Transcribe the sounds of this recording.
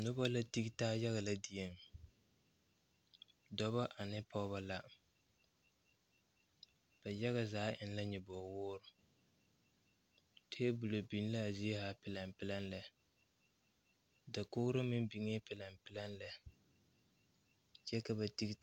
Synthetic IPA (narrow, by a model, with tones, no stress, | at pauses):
nʊ˦ba˦la˦ti˦ɡi˦taː˦ja˦ɣa˨la˦di˨je˨m | dɔ˦βa˦ʔa˨nɪ˦pɔ˦βa˦la˦ | b̥a˨ja˦ɣa˨zaː˨˦ʔɪ˨n˦la˦ɲɛ˨bɔː˨wʊː˦ɾʊ˨ | tʰe˦bu˨lo˨bi˨n˦la˦a˨zi˦e˦ha˦pɪ˨la˨mpɪ˦la˦n˦lɛ˨ | da˨kʊ˦ɣʊ˦ɾa˦mɪ˦m˦bi˨ŋe˦pɪ˨la˨mpɪ˦la˦n˦lɛ˨ | t͡ʃɛ˦ka˨ba˨ti˦ɡ